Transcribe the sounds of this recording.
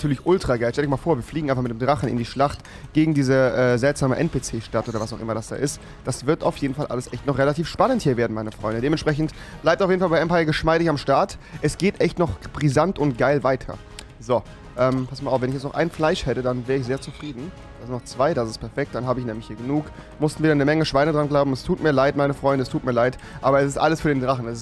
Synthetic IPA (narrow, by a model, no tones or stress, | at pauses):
atʰyːɐlɪçʔʊltʁ̥aɡaɪlʃtɛldjɪjmalfoːɐviːɐfliːɡŋʔaɪnfaχmɪtdeːmdʁaχn̩ɪ̰ndiːʃlaχt | ɡ̥eːɡŋ̩diːzəʔɛːzɛltz̥aːməʔɛ̰ntpeːt͡seːʃtatʔoːdɐvasaʊxʔɪ̰mɐdasd̥a̰ːʔɪst | d̥asv̥ɪɐta̰ʊfjeːdn̩falʔa̰ləsʔɛçtnɔχʁelatʰiːfʃpanənthiːɐveːɐdn̩maɪnəfʁ̥ɔ̰ʏndədeːmɛnʃpʁ̥ɛç̬n̩tb̥laɪp̚taʊfeːdn̩falbaɪʔɛmpaɪɐɡəʃmaɪɾɪçamʃtaɐtʔɛsɡ̥eːtʔɛçtnɔχb̥ʁizantʊnt̚ɡ̥aɪlvaɪtʰɐ̰ | zo | ʔɛːmpʰasmalʔaʊfvɛnɪçɛt͡stnɔχʔa̰ɪnflaɪʃhɛtədanvɛːʁəɪçzeːɐt͡sufʁ̥iːdn̩ | d̥aːsɪnɔχt͡sv̥aɪɾasɪstpʰɛɐfɛk̚t̚d̥anɦaːbəɪçnɛːmlɪçhiːɐɡənuːk | mʊstn̩viːdɐnəmɛŋəʃv̥aɪnədʁanɡlaʊbm̩ɛstʰuːtmiːɐlaɪtmaɪnəfʁ̥ɔʏndəɛstʰuːt̚miːɐlaɪtʔaːbɐɛsɪstʔaləsfyɐɾeːndʁaχn̩ɛsɪs